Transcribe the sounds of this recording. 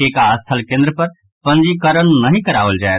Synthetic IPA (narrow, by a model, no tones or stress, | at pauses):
eːkaəst̪ʰəlkẽnd̪ɾəpɐɾ | pɐ̃nd͡ʒikəɾəñnɐɦĩkɐɾaːʋəld͡ʒaːe